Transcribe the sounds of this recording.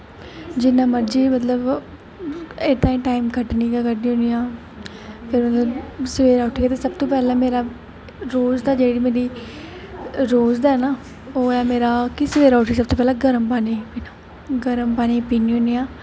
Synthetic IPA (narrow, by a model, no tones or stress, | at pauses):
d͡ʒɪnːãːməɾd͡ʒiːmət̪ləb | et̪ãːĩːʈaːiːmkəʈniːkakəʈnĩːɦʊ̃nijãː | pʰɪɾmət̪ləbsəʋeːɾaːʊʈʰiːɡɛːt̪eːsəbt̪õːpɛːlãːmeːɾaː | ɾoːzd̪aːd͡ʒeːɽiːmeːɾiː | ɾoːzd̪aːɛnaː | oːɛːmeːɾaːkisəʋeːɾaːʊʈʰiːs̬əbt̪oːpɛːlãːɡəɾəmpaːniːpiːnaː | ɡəɾəmpaːniːpiːniːɦʊ̃nijãː